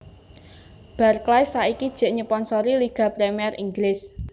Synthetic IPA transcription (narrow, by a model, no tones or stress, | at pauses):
b̥arklajsːaikid̥ʒ̥ɛ̤ʔɲəpɔnsɔɾiliɡ̥a̤pɾɛmiɛrʔiŋɡlɪs